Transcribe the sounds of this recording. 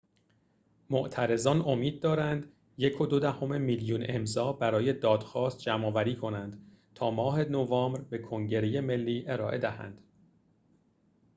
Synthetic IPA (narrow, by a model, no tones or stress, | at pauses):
moʔt̪ʰæɾe̞zɒːno̞miːd̪̚ːɒːɾænd̪ | je̞kʰo̞d̪od̪æho̞memiːljuːnʔe̞mzɒːbæɾɒːje̞d̪ɒːd̪̥xɒːst̪̚d͡ʒæmɒːvæɾiːkʰo̞nænd̪̥ | t̪ʰɒːmɒːɦe̞novɒːmbɾbe̞kʰo̞ŋɟe̞ɾeje̞me̞lːiːʔe̞ɾɒːʔe̞d̪æhæ̰nd̪̥